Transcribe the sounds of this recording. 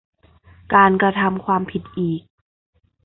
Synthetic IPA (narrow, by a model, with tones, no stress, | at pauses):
kaː˨nkɾa˧t̪ʰa˧mkʰwaː˧mpʰi˨˩t̪̚ʔiː˨˩k̚